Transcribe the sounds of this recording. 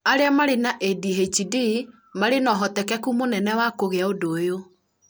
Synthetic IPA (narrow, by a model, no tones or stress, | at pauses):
aɾeamaɾenaʔediɦet͡ʃidi | maɾenɔɦɔtɛkɛkumonɛnɛwakoɣeaodoːjo